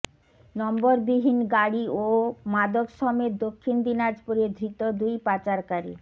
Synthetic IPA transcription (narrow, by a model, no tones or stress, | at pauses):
nɔmboɾbiɦinɡaɽiomad̪okʃɔmed̪okʰːind̪inad͡ʑpuɾed̪ʱɾit̪od̪ujpat͡ɕaɾkaɾi